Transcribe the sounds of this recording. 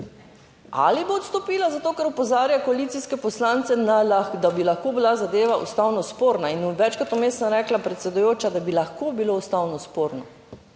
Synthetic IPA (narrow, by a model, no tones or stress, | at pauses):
a̰liboːt̪st̪ɔpiːlazat̪oːkɛɾɔpɔzaːɾjakɔaliːt̪siskɛpɔslaːnt̪sɛnad̪abilaxkoːbilazad̪eːʋaʔṵst̪awnɔspoːɾnainʋɛt͡ʃkat̪omeːsnaɾɛːklapɾɛt̪sɛd̪ujoːt͡ʃad̪abilaxkobiloust̪aːwnɔspoːɾnɔ